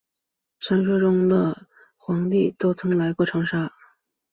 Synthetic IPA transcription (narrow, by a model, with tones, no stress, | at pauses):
t͡sʰa˧˥nʂɤ˥ʈ͡ʂʊ˥ŋd̪ə˨ | xwɑ˧˥ŋt̪i˥˩t̪o˥ʊt͡sʰɤ˧˥ŋla˧˥ɪkwɔ˥˩ʈ͡ʂʰɑ˧˥ŋʂa˥˩